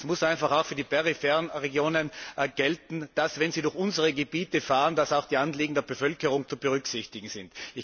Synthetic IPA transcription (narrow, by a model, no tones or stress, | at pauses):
smʊsʔaɪ̃nfaχaʊxfyːɐdiːpʰɛʁifɛʁnʁeɡjoːnənɡ̥ɛltn̩d̥asvɛnziːdʊɐçʊnzəʁəɡebiːtəfaːʁənd̥asaʊxd̥iːanliːɡŋ̩deːɐbəfœlkəʁʊŋt͡subəʁʏksɪçtɪɡŋ̩sɪntɪç